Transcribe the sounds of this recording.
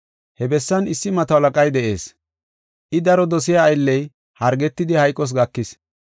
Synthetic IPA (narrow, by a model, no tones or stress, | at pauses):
hɛbɛsːɐnɪsːɪmɐt̪ɐwlɐkʼɐjd̪ɛʔe̞ːs | ʔɪd̪ɐɾɔd̪ɔsɪjaːjlːɛj | hɐɾɡɛt̪ːɪd̪ɪhɐjkʼːɔs̬ɡɐkːɪs